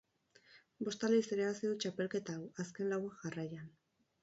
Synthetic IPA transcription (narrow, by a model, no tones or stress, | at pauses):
bo̞st̪aleiseɾeaβasiðut͡ʃape̞lke̞t̪aːwaske̞nlawakʝarajan